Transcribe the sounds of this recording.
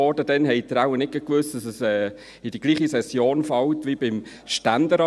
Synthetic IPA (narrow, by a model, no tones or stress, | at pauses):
ɔd̥əd̥ɛnɦɛɪt̪ɾaʊwənɪk̚kəkʋʏsd̥ɑsɛsɛː | ɪd̥iɡ̥liːχisɛsjoːnfɑwtʋib̥ɪm | ʃtænd̥̪əɾɑ